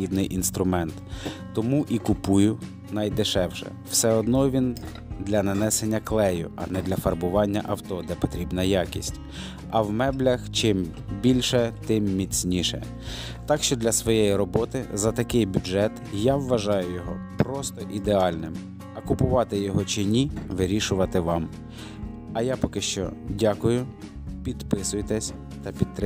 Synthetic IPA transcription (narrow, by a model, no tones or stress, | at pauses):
id̪nɪjʔinst̪ɾʊmɛnt̪ː | ɔmuʔikʊpujʊ | nɐjd̪ɪʃɛwʃɛ̰w̥sɛɔd̪nɔʋʲin | d̪lʲɐnɐnɛsenʲːɐklˠɛjʊ̰ʔɐ̰nɛd̪lʲɐfɐrbʊʋɑnʲːɐ̰ʔɐwt̪ɔd̪ɛpɔt̪ɾʲibnɐjɑkʲḭsʲtʲ | ɐwmɛblʲɐxt͡ʃɪm | bʲilʲʃɛt̪ɪmːʲit͡sʲnʲiʃɛ̰ | t̪ɑkʃt͡ʃɔd̪lʲɐsʋɔjejiɾɔbɔt̪ɪzɐt̪ɐkɪjbʲʊdʒɛt̪jaʋːɐʒɑjʊjɔɦɔpɾɔst̪ɔʔid̪eɑlʲnɪm | ɐkʊpʊʋɑt̪ɪjɔɦɔt͡ʃɪnʲiʋɪɾʲiʃʊʋɐt̪ɪʋɑm | ɐjapɔkɪʃt͡ʃɔ̰dʲakʊjʊ | pʲid̪pɪsʊjt̪ɛsʲ | t̪ɐpʲid̪̚t̪ːɾɪ